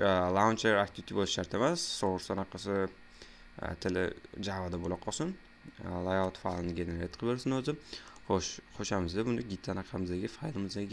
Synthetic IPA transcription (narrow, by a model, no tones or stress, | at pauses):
lˠawnt͡ʃeɾak̚t̪ʰɪt̪ʰɪbolˠɪʃʃaɾt̪ʰe̞masːoɾsanaqʰɑsɪ̰ | t̪ʰɪlɪ̰d͡ʒavad̪abolaqʰːɒsɪn | lˠajɒt̪falˠɪnɡʲeneɾet̪qʰlbeɾsɪnɵzɪoʃχoʃamɪzd̪abʊnd̪ɪɡʲit̪ʰːanaqʰɑmɪzd̪aɡʲɪfajlˠɪmɪzd̪aɡʲɪ